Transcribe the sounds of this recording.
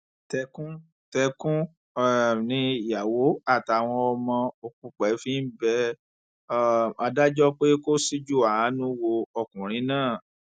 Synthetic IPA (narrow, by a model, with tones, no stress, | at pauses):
tɛ˧kũ˦ | tɛ˧kũ˦˨ | nĩ˧˨ja˨wo˨˦a˦˨ta˨w̃ɔ̃˧ɔ˧mɔ̃˧o˨k͡pũ˧˨k͡pɛ˨˦fĩ˦n̩˦bɛ˧˦ | a˧da˦d͡ʒɔ˦k͡pe˦ko˦si˦d͡ʒu˦˨a˨a˨˦nũ˦wo˧ɔ˧˨kũ˨ɾ̃ĩ˨˦nãː˦˨